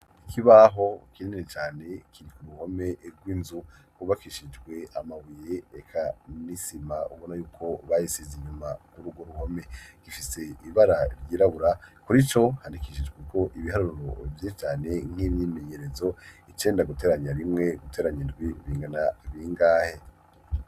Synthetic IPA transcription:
ikʰiβaɦo̞kinninet͡ʃaːne̞kʰiɾikuɾuho̞me̞ʔɾɡwiːnzukuβakiʃid͡ʒɡwe̞amaβujeekʰanisimaṵβo̞najuːkʰo̞βajisiziɲumakuɾuɡwo̞ɾuho̞me̞ɡ̥ifise̞iβaɾaɾjiːɾaβuɾakuɾit͡ʃo̞handikiʃid͡ʒɡweko̞ʔiβiɦaɾuɾuɾo̞vjet͡ʃaːne̞ŋ̥hiβjime̞ɲe̞ɾe̞zo̞it͡ʃe̞ːndaɡute̞ːɾaɲaɾimŋe̞ɡutʰe̞ːɾaɲindɡwiβiːŋɡanaβiːŋɡaːhe

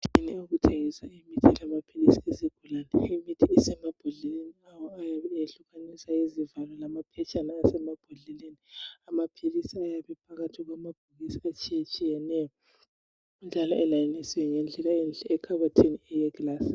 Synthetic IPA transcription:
iniuɣutʰeɣisaimitʰilamapʰilisieziɡ̥ʱulaːnɛimitʰiːsɛmab̥ʱɔɮɛleniawɔajaβɛɬuɣanisajezivalɔlamapʰɛt͡ʃʼanaːsɛmab̥ʱaɮɛleniamapʰilisiajaβɛpʰaɣatʰiɣwamab̥ʱuɣisiat͡ʃʼijat͡ʃʼijɛnɛjɔ | und͡ʒʱalɔɛlajanisiwɛŋɛnd͡ɮʱɛlaend͡ɮʱɛɛkʰaβatʰiniɛjɛɡlaːsi̥

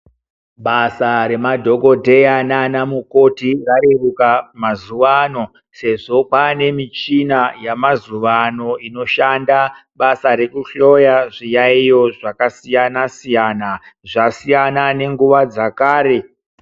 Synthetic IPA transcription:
ɓasaɾe̞madʱo̞ɡo̞dʱe̞jananamuko̞tirarirukamazuʋano̞ | se̞ʐo̞pane̞mit͡ʃinajamazuʋano̞ino̞ʃandaɓasaɾe̞kuɬo̞jaʐijaijo̞ʐakasijanasijanaʐasijanane̞ŋɡuʋad͡zakaːɾe̞

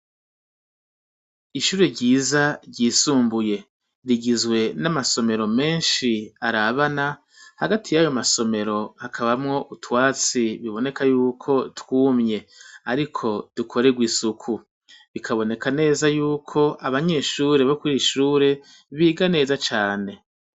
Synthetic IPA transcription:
iʃuːɾe̞ɟiːzaɟiːsuːmbuje̞ | ɾiɡizɡwe̞namaso̞me̞ɾo̞me̞ːnʃiaɾaβana | haɡatʰijajo̞maso̞me̞ɾo̞hakʰaβamŋo̞ʔutwaːt͡siβiβo̞ne̞kajuːkʰo̞twuːmɲe̞aɾikʰo̞d̥ukʰo̞ɾe̞ɡwiːsukʰu | βikʰaβo̞ne̞kʰane̞ːzajuːkʰo̞ʔaβaɲe̞ʃuːɾe̞βokuɾiʃuːɾe̞ | βiːɡane̞ːzat͡ʃaːne̞

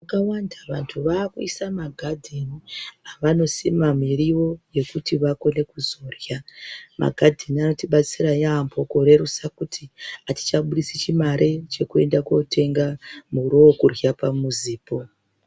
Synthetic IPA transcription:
akawandaʋantʰuʋaːkuisamaɡʱadʱeniaʋano̞simamiriʋo̞je̞kutiʋako̞ne̞kuzo̞rjamʔa̰ɡʱadʱeniano̞tiɓat͡sirajambʰʱo̞ko̞ɾe̞ɾusakutʰiati̥t͡ʃaɓuɗisit͡ʃimaɾʔe̞t͡ʃe̞kue̞ndakwo̞tʰe̞ŋɡamuɾookurjapamuziːpo̞

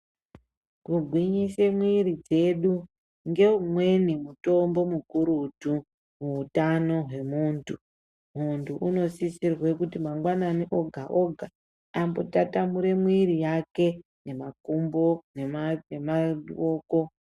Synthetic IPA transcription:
kuɡʱwiɲise̞mwiɾid͡ze̞ɗu | ŋɡe̞umwe̞nimuto̞mbo̞mukuɾutu | muːtano̞ɦwe̞muːntu | muntʰuʔuno̞sisirwe̞kutimaŋɡwananiʔo̞ɡʱaʔoɡʱa | ambotatamuɾe̞mwiɾijake̞ | ne̞makumbo̞ne̞maemaoːko̞

